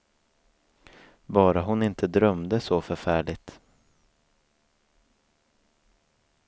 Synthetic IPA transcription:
bɑːɾaɦʊnɪnt̪ʰəd̪ɾœmd̪əsɔfœɾfæːɭɪɡt̪

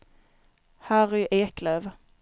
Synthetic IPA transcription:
hæːʁʏʔeːkløːv

